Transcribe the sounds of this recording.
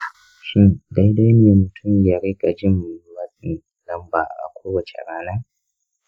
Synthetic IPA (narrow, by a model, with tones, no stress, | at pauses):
ʃɪ˦nda˦jda˦jneː˨mʊ˨tʰʊ˦˨mja˨ɾi˦ɡa˨d͡ʒɪ˦mːʊ˨ju˦waː˦sɪ˦˨n | lɐ˦mba̰ː˨ʔʔa̰˨kʷʰoː˦wɐ˨t͡ʃḛ˨ɽaː˦na˦